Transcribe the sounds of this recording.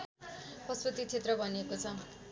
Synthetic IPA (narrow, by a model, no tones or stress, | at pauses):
pʌspʌt̪it͡sʰet̪rʌbʱʌniekot͡sʰʌ